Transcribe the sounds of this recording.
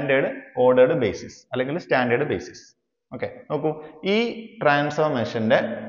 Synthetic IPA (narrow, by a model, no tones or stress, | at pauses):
nɖeːɽɨoːɖɐɾɽɨbeːsisɐlːeŋɡilstaːnɖɐɖɨbḛːsi̥s | o̞ːkːeno̞ːk̬ːuiːʈraːnsfɐmeːʂɐnde